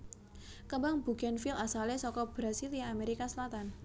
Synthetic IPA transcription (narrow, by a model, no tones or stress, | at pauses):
kəmbaŋb̥ṳɡ̥anfilasalesɔkɔb̥ɾasilameɾikasəlat̪an